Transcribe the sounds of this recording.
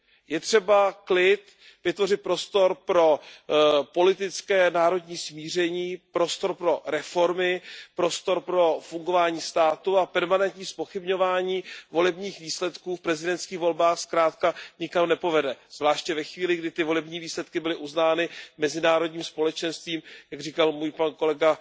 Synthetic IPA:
jɛt̪r̝̥ɛbaklɪt̪ | vɪt̪vo̞rɪt̪̚pɾo̞st̪o̞ɾpɾo̞ | po̞lɪt̪ɪt͡skɛːnaːɾo̞dɲiːsmiːr̝ɛɲiːpɾo̞st̪o̞ɾpɾo̞ɾɛfo̞ɾmɪpɾo̞st̪o̞ɾpɾo̞fuŋɡo̞vaːɲiːst̪aːt̪uapɛɾmanɛnt̪ɲiːspo̞xɪbɲo̞vaːɲiːvo̞lɛbɲiːxviːslɛt̪kuːfpɾɛzɪdɛnt̪skiːɣvo̞lbaːxskɾaːt̪kaɲɪkamnɛpo̞vɛdɛz̥vlaːʃcɛvɛxviːlɪɡdɪt̪ɪvo̞lɛbɲiːviːslɛt̪kɪbɪlɪʔuznaːnɪmɛzɪnaːɾo̞dɲiːmspo̞lɛt͡ʃɛnst̪viːmjaɡriːkalmuːjpanko̞lɛɡa

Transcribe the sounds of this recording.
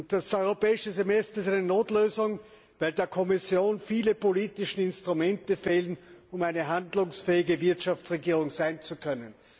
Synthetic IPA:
ʊntd̥asɔʏʁopɛːɪʃəzemɛstɐɪst̬æɪnənoːtløːzʊŋ | vaɪldeːɐkʰɔmɪsjoːnfiːləpoliːtɪʃn̩ɪnstʁ̥ʊmɛntəfeːlənʊmaɪnəɦandlʊŋsfɛːɪɡəvɪɐtʃaft͡sʁeɡiːʁ̞ʊŋz̥aɪnt͡sukʰœnən

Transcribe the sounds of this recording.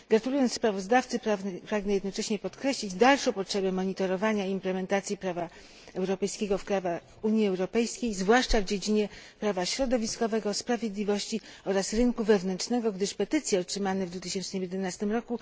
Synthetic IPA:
ɡɾat̪ulujɔnt̪spɾavɔzd̪aft̪sɘppɾaɡnɛjɛd̪nɔt͡ʂɛɕɲɛpɔt̪kɾɛɕlʲid͡ʑd̪alʂɔ̃w̃pɔtʂɛbɛmɔɲit̪ɔɾɔvaɲaiimplɛmɛnt̪at̪sʲjipɾava | ɛwɾɔpɛjskʲeɡɔfkɾavaxuɲjiɛwɾɔpɛjskʲejzvwaʂt͡ʂavd͡ʑed͡ʑiɲɛpɾavaɕɾɔd̪ɔvʲiskɔvɛɡɔspɾavʲjed̪lʲivɔɕt͡ɕiɔɾasɾɘŋkuvɛvnɛnt͡ʂnɛɡɔɡd̪ɘʂpɛt̪ɘt̪sʲjɛɔtʂɘmanɛvd̪vut̪ɘɕɛnt͡ʂnɘmjɛd̪ɛnast̪ɘmɾɔku

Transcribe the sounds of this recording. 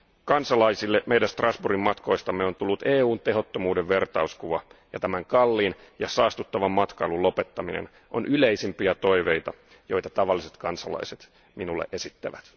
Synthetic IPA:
kɑnsɑlɑisilːemeidænst̪rɑsburimmɑt̪ko̞ist̪ɑmːeo̞nt̪ulːut̪eːuːnt̪e̞ɦo̞t̪ːomuːdeʋʋe̞rt̪ɑuskuʋɑjɑt̪æmæŋkɑlːiːnjɑsɑːst̪ut̪ːɑʋɑmmɑt̪kɑilulo̞pet̪ːɑminḛn | ʔo̰nʔyleisimpiæt̪o̞iʋejt̪ɑ | jo̞jt̪ɑt̪ɑʋɑlːise̞t̪kɑnsɑlɑ̰iset̪ | minulːḛʔe̞sit̪ːæʋæt̪

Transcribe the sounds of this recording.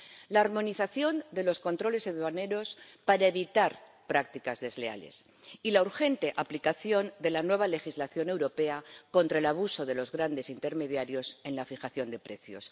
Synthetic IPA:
laːɾmo̞niθaθjo̞nd̪e̞lo̞sko̞nt̪ɾo̞le̞se̞ðwane̞ɾo̞spaɾaeβit̪aɾ | pɾak̚t̪ikazðe̞zle̞a̰le̞̰s | ilauɾxe̞nt̪eʔaplikaθjo̞nd̪e̞lanwe̞β̞ale̞xizlaθjo̞ne̞wɾo̞pe̞ako̞nt̪ɾae̞laβ̞uso̞ðe̞lo̞zɣɾand̪e̞sint̪e̞ɾme̞ðjaɾjo̞se̞nlafixaθjo̞nd̪e̞pɾe̞θjo̞̰s

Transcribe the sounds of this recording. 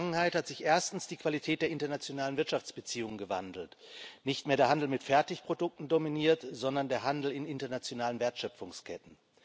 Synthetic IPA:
ŋənhaɪthatz̥ɪçʔeːɐstn̩sd̥iːkv̥alitʰɛːt̚d̥eːɐʔɪntɐnat͡sjonaːlənvɪɐtʃaft͡sb̥ət͡siːʊŋənɡəva̰ndl̩tnɪçtmeːɐɾeːɐɦandl̩mɪtfɛɐtɪçpʁ̥odʊk̚tn̩dominiːɐtz̥ɔndɐndeːɐɦandl̩ɪnɪntɐnat͡sjonaːlənveːɐtʃœp͡ffʊŋskʰɛ̰tn̩

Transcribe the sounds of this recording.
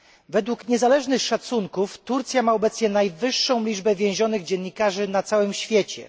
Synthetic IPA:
vɛd̪wukɲɛzalɛʐnɘxʂat̪suŋkuft̪uɾt̪sʲjamaɔbɛt̪sɲɛnajvɘʂːɔ̃w̃lʲid͡ʐbɛvʲjɛ̃w̃ʑɔnɘɣd͡ʑɛnːikaʐɘnat̪sawɘmɕfʲjɛt͡ɕɛ̰

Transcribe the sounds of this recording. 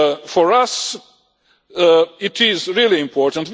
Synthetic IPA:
fɔɹʌs | ɪtɪzɹilˠiɪ̃mpʰɔɹtə̃n̩tw

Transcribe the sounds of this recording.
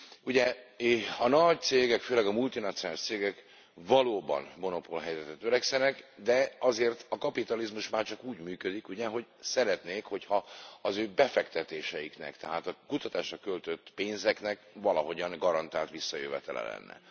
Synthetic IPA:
uɟɛ | ɒnɒɟ̚t̪seːɡɛkføːlɛɡɒmult̪inɒt̪sionaːliʃt̪seːɡɛk | vɒloːbɒ̰nmo̞no̞polɦɛjzɛt̪ɛt̪øɾɛksɛnɛkd̪ɛɒzeːrt̪ɒkɒpit̪ɒlizmuʃmaːrt͡ʃɒkuːɟmyːkød̪ikuɟɛɦo̞ɟsɛɾɛt̪neːkho̞chɒɒzøːbɛfɛkt̪ɛt̪eːʃɛjiknɛ̰kt̪ɛɦaːt̪ɒkut̪ɒt̪aːʃrɒkølt̪øt̪ːpeːnzɛknɛkvɒlɒɦo̞ɟɒŋɡɒɾɒnt̪aːlt̪ʋisːɒjø̰vɛ̰t̪ɛ̰lɛ̰lɛ̰nːɛ̰

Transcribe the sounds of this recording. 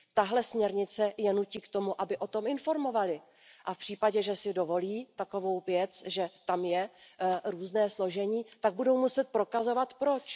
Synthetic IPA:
t̪aɦlɛsmɲɛɾɲɪt͡sɛjɛnuciːkt̪o̞muʔabɪʔo̞t̪o̞mɪnfo̞ɾmo̞valɪ | ʔafpr̥iːpaɟɛʒɛsɪdo̞vo̞liːt̪ako̞vo̞wvjɛt͡sʒɛt̪amjɛɾuːznɛːslo̞ʒɛɲiːt̪aɡ̚budo̞wmusɛt̪̚pɾo̞kazo̞vat̪pɾot͡ʃ

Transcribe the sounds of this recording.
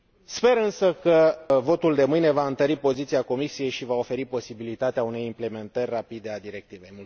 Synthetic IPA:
spe̞ɾɨnsəkəvo̞t̪uld̪e̞mɨjne̞vaɨnt̪əɾipo̞zit̪siako̞misije̞jʃivao̞fe̞ɾipo̞sibilit̪at̪eaune̞jimple̞me̞nt̪ərʲrapid̪e̞ad̪iɾe̞k̚t̪ivejm

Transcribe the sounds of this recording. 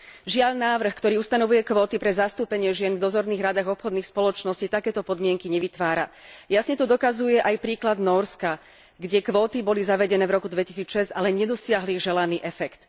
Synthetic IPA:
ʒɪaʎnaːʋr̩xkt̪ɔɾiːust̪anɔʋujɛkʋɔːt̪ipɾɛzast̪uːpɛɲɪɛʒɪɛnvd̪ɔzɔɾniːɣɾad̪aɣɔpxɔd̪niːxspɔlɔt͡ʃnɔscit̪akɛːt̪ɔpɔd̪mɪɛŋkiɲɛʋit̪ʋaːɾa̰jasɲɛt̪ɔd̪ɔkazujɛʔajpɾiːklad̪nɔːɾska | ɡɟɛkʋɔːt̪ibɔlizaʋɛɟɛnɛːvɾɔkud̪ʋɛcisiːt͡sʃɛzalɛɲɛd̪ɔsɪaɦliʒɛlaniːʔɛfɛkt̪

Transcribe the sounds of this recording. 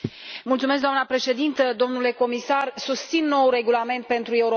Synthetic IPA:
mult̪sume̞sk̚ɡd̪oamnəpɾe̞ʃe̞d̪int̪əd̪o̞mnule̞ko̞misarsust̪sinːo̞wure̞ɡulame̞nt̪̚pe̞nt̪ɾue̞uɾ

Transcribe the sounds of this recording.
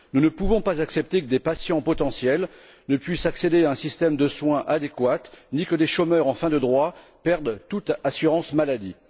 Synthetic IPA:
nunəpuvɔ̃pazaksɛp̚t̪ekəd̪epasjɑ̃pɔt̪ɑ̃sjɛl | nəpɥisaksed̪eaɛ̃sist̪ɛmd̪əswɛ̃ʔad̪ekwat̪nikəd̪eʃomœʁɑ̃fɛ̃d̪əd̪ʁwapɛʁd̪t̪ut̪asyʁɑ̃smalad̪i

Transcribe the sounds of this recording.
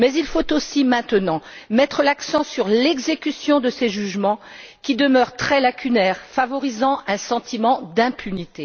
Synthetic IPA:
mɛzilfot̪osimɛ̃t̪ənɑ̃mɛt̪χəlaksɑ̃syʁlɛɡzekʲysjɔ̃d̪əseʒyʒmɑ̃ | kʲid̪əmœʁt̪χɛlakʲʰynɛːʁfavɔʁizɑ̃ʔɛ̃sɑ̃t̪imɑ̃d̪ɛ̃pʰynit̪e

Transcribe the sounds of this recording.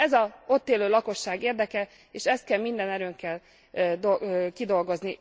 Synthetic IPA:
ɛzɒo̞t̪ːeːløːlɒko̞ʃːaːɡeːrd̪ɛkɛ | eːʃɛst̪̚kɛlmind̪ɛnɛɾøːŋkɛl | d̪okid̪o̞lɡo̞zni

